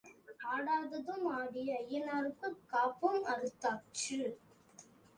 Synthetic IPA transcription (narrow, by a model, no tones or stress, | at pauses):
aːɽaːðɐðɯmaːɽɪjɐɐjːɐnaːɾɯkːɯkːaːpɯmɐɾɯt̪ːaːt͡ʃɯ